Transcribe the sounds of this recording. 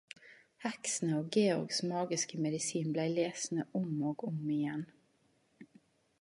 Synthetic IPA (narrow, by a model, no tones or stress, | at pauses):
hɛksn̩əoːɡeːʊɾɡsmɑːɡɪskəmɛd̪ɪsiːnblæɪleːsn̩əʔʊmoːɡʊmɪjɛn